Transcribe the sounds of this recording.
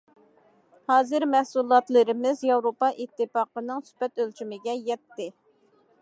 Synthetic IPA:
hɑːzɨɾmɛhsulˠɑt̪lˠɨɾɪmɪzjɑwɾopɑʔit̪ʰːɨpɑqənɨŋsy̥pɛt̪ølt͡ʃymɪɡʲɛjɛt̪ːɪ

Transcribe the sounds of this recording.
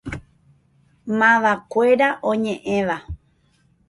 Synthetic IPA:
mãʋakʷeɾaʔõɲẽʔẽʋa

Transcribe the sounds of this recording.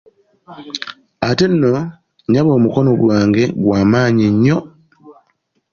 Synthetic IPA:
ate̞nːo̞ | ɲaβo̞ːmuko̞noɡwaːŋɡe̞ɡwaːmaːɲiɲːo̞

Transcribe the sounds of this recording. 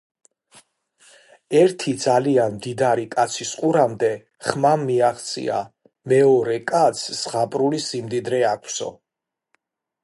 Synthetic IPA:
ɛɾt̪ʰid̪zalianmd̪id̪aɾikʼat̪sʰisqʼuɾamd̪ɛ | χmamːiaχt̪sʼḭa̰ | mɛɔɾɛkʼat̪sʰːʁapʼɾulisimd̪id̪ɾɛakʷʰsɔ̰

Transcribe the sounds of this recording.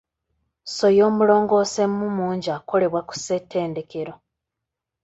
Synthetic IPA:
so̞jo̞ːmulo̞ːŋɡo̞ːsemːumuːɲɟaːko̞le̞βwaku̥se̞tʰːe̞ːnde̞ke̞ɾo̞

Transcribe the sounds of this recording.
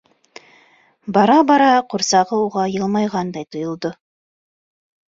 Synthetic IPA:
bɑɾɑbɑɾɑqʰʊɾsɑʁəwoʁɑjəlˠmɑjʁɑnd̪ɑjt̪ʰʊjəlˠd̪ə

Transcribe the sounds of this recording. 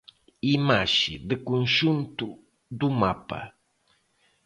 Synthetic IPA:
imaʃɪd̪əkʊnʃʊnt̪ʊ | d̪ʊmapa̰

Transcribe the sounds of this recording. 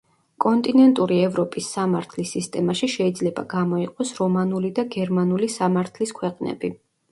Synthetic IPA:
kʼɔnt̪ʼinɛnt̪ʼuɾiɛvɾɔpʼisːamaɾt̪ʰlisːist̪ʼɛmaʃiʃɛid̪zlɛba̰ɡamɔiqʼɔsɾɔmanulid̪aɡɛɾmanulisamaɾt̪ʰliskʰwɛqʼnɛ̰bi

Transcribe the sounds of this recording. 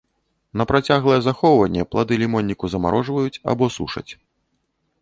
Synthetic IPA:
nɐpɾat͡sʲaɣlˠɐjɛzaxɔwvɐnʲːɛplˠad̪ɨlʲimɔnʲːikuzɐma̰ɾʔɔʐvɐjut͡sʲa̰bɔsṵʂɐ̰t͡sʲ

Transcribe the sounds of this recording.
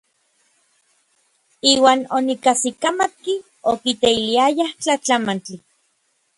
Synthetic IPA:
iːwaːnonikasikamat̪̚ki | okit̪eiliajaht͡ɬat͡ɬamant͡ɬi

